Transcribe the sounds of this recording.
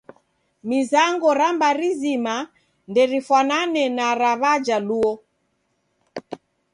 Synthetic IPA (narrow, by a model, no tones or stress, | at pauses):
mizaŋɡɔɾambaɾizima | ndɛɾifwananɛnaɾaβad͡ʒaluɔ